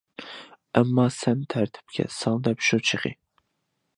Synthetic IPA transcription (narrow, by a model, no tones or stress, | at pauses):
ɛmːɑːsɛnt̪ʰæɾt̪ʰɪ̥p̚kʲʰɛ̰sɑŋˠd̪ɛpʃut͡ʃʰɨʁɨ̰